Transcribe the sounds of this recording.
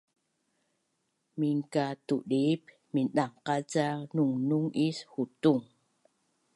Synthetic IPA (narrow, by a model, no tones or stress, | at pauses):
miŋkatuɗip | minɗaŋqat͡sanuŋnuŋishutuŋ